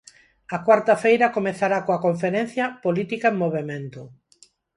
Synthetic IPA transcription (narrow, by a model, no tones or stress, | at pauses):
ɐkwaɾt̪ɐfejɾɐkomeθaɾakoɐkoɱfeɾẽn̟θjɐpolit̪ikaemːoβemẽnt̪ʊ